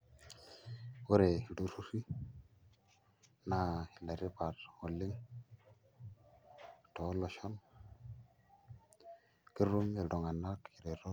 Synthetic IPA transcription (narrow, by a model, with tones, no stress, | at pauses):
wo˦ɾe˨i˨du˦˨su˦si˦ | na˦hi˨la˨ɾi˦pa˨ɾwo˨lːi˦ŋ | to˨˦lo˨ʃo˦n | ki˦ɾu˦mje˨do˨ŋa˨na˦ki˨ɾe˨ɾo˦